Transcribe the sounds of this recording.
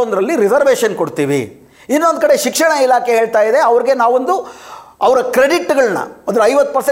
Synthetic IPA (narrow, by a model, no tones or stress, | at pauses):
ond̪ɾɐlːiɾizɐɾʋeːʃɐnkoɽt̪iːʋḭ | inːo̞nd̪kɐɽe̞ʃikʂɐɳɐilaːkʰeɦeːɭt̪aːjid̪eɐʋɐɾiɡe̞naːʋond̪uɐʋɐɾɐkɾeɖiʈːɡɐɭnɐ̰ɐd̪ɐɾɐjʋɐt̪ːupɐɾse